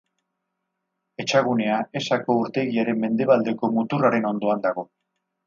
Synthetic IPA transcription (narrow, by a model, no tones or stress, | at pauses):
e̞t͡ʃaɣ̞une̞ae̞sako̞uɾt̪e̞ɣiaɾe̞mme̞nd̪e̞βald̪e̞ko̞mut̪uraɾe̞no̞nd̪o̞and̪aɣ̞o̞